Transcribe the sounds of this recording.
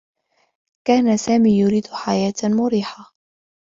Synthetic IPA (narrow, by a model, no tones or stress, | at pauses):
kaːnasaːmiːjʊɾiːd̪ħajaːt̪mʊɾiːħa